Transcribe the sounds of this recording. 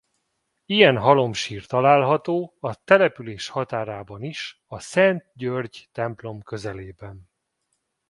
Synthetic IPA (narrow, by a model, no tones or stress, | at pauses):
ijɛnɦɒlo̞mʃiːrt̪ɒlaːlɦɒt̪oːɒt̪ɛlɛpyleːʃhɒt̪aːɾaːbɒniʃ | ɒsɛnt̪̚ɟørɟt̪ɛmplo̞mkø̞zɛleːbɛn